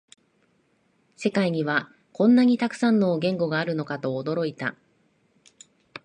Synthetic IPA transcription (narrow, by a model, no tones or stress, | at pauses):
se̞kaiɲ̟iβa | kõ̞nːaɲ̟it̪akɯ̟̥sãnːoːɡẽ̞ŋɡo̞ɡaːɾɯ̟no̞kat̪o̞ːd̪o̞ɾo̞it̪a̰